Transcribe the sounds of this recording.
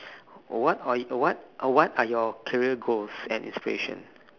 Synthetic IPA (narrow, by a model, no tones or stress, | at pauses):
wɔtawɔt̚wɔtajɔkʰɛɹiəɡolsɛ̰̃nḭ̃nspiɹḛʃɔ̰̃n